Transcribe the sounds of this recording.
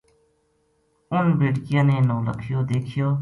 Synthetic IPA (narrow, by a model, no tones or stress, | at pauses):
ʊnbɾɪʈkɪjãːneːnoːlə̰kʰɪjoːd̪eːkʰɪjoː